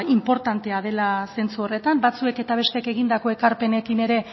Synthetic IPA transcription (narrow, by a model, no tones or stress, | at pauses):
impo̞ɾt̪ant̪e̞aðe̞lase̞nt͡suo̞re̞t̪ambat͡sue̞ke̞t̪aβ̞e̞st̪eeke̞ɣind̪ako̞ekaɾpe̞ne̞kine̞ɾe̞